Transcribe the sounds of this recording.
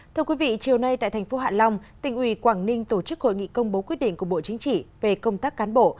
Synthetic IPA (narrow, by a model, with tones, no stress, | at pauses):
t̪ʰɨ˧əkwi˨˦vḭ˧˨t͡ɕi˨˩əwna˧jt̪a̰ː˧˨jt̪ʰŋ̟fo˨˦ɦa̰ː˧˨nla˧wŋ͡mt̪ï˧˩ŋ̟ʔwi˧˩kwaː˧˩ŋnï˧ŋ̟t̪o˧˩t͡ɕɨ˦˥k̚ho̰˧˨jŋḭ˧˨kə˧wŋ͡mɓo˨˦kwi˦˥t̚ɗḭ˧˨ŋ̟ku˧˩əɓo̰˧˨t͡ɕï˨˦ŋ̟t͡ɕḭ˧˨ve˨˩kə˧wŋ͡mt̪aː˦˥kːaː˨˦nɓo̰˧˨